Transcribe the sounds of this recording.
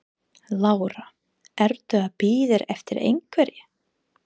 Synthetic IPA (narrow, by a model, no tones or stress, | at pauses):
laːwɾa | ɛɾt̪ʏapiːðɪɾɛ̰ft̪ɪɾʔḛjŋkʰvɛɾjɪ